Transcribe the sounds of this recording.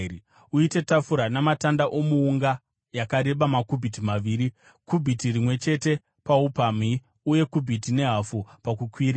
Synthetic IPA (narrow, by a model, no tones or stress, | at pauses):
uite̞tafuɾanamatandaʔo̞muːŋɡa | jakaɾe̞ɓamakubʱitimaʋiːɾi | kubʱitirimwe̞t͡ʃe̞te̞ | paupami | uje̞kubʱitine̞ɦafupakukwiɾi